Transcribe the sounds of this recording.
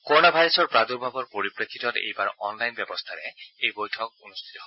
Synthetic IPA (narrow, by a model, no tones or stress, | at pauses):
koonabʱajɾɔsɔɹpɹad̪uɹbʱabɔɹpoɹipɹekʰːit̪ɔt̪ḛjbaɹɔ̰nlajnbɛbɔst̪ʰaɾɛejbojʈʰɔk̚unust̪ʰit̪ɔɦo